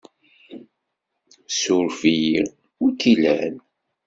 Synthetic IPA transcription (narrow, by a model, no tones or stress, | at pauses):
sʊɾfiji | ʊɾkilæn